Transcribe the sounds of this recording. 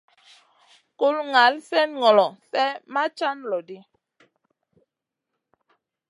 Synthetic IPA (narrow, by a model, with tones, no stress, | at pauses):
ku˦lŋa˨˦lsɛ˦nŋɔ˨lɔ˨sɛ˦ma˦t͡ʃa˦n˨lɔ˨di˦